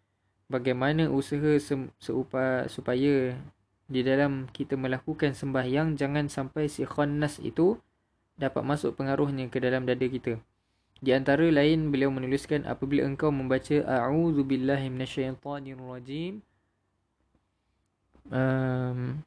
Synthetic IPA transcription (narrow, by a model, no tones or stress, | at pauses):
baɡajmanə̃ʔusaɦəsəsəupasupaja | didalamkit̪əmə̃lakukansəmbahjaŋd͡ʒaŋãnsampajsixanːasḭt̪u | dapa̰t̪̚masʊ̰ʔ̚pəŋaɾʊhɲãkədalamdadəkit̪ə | diant̪aɾəlaɪnbəliawmə̃nuluskanʔa̰pəbila̰əŋkawmə̃mbat͡ʃəʔaʕuðubilːaɦmĩnaʃːajt̪ˤɑniarˤɑd͡ʒim | əm